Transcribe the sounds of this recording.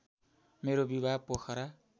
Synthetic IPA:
meɾobibʱapokʰʌɾa

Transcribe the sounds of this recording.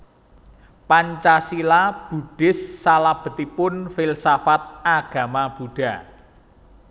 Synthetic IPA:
paɲt͡ʃasilab̥ṳɖ̥ɪ̤sːalab̥ə̤t̪ipʊnfɪlsafat̪̚aɡ̥a̤mab̥ṳɖ̥a̤

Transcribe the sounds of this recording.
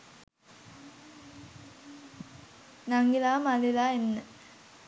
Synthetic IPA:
naŋɡilaːmalilaenːə

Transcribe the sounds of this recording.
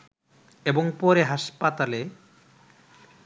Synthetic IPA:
eboŋpoɾeɦaʃpat̪ale

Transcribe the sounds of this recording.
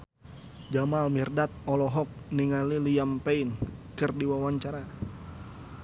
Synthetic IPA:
d͡ʒamalmirdat̪̚ɔlɔɦɔk̚niŋalilijampeinkɨrdiwawaɲt͡ʃaɾa

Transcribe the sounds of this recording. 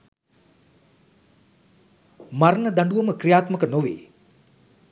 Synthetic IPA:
maɾənəd̪aɳɖuʋəməkrijaːt̪məkənoʋḛː

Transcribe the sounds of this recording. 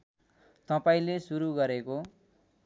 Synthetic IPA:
t̪ʌpaĩlesuɾuɡʌɾeko

